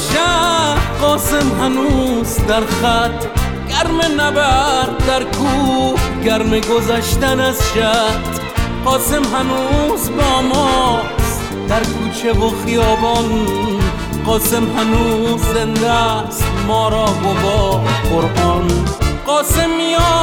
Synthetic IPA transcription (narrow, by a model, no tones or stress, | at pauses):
ʃaqɔːsemɦanuzd̪aɾχat̪ | ɡæɾmenæbaɾd̪æɾkʰuɡaɾmeɡozaʃt̪anazʃat̪ | qɔːsemɦanuzbɔːmɔs | d̪̥aɾkʰuːt͡ʃʰevoχijɔːbɔn | qɒːsemhanuːzːend̪ast̪mɔːɾɔːbobɔːqoɾʔɔnqɔːsemːijɔ